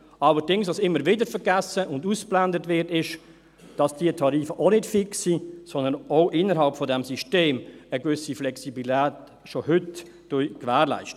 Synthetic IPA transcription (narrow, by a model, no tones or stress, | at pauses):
ɑləɾdɪŋsʋɑsɪmːəɾvɪdəɾfəɾɡæsəʔʊndusplændətvɪɾtɪʃ | d̥ɑsd̥iətʰɑɾiːfəʔonɪtfɪksisɔnd̪ənoʊʔɪnːəɾɦɑlpfɔdɛmsiʃteːməɡvʏsiflɛksibitæːt | ʃohʏtː | ujkʋæːʁlæ̰ɪʃtə